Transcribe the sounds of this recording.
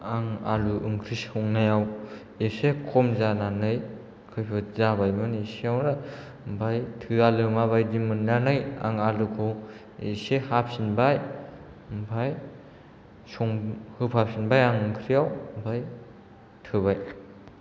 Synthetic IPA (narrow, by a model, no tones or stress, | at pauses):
aŋa̰luʔɯŋkʰɾisɔŋnajaw | esekʰɔmzananɯj | kʰɯjpʰɯzabajmɯneseawna | mbʰajtʰɯalɯmaβajdimɯnːanɯja̰ŋalukʰo | ḛsehap̚sinbaj | mbʰaj | sɔŋhɯpʰap̚sinbajaŋɯŋkʰɾijawbʰaj | tʰɯβaj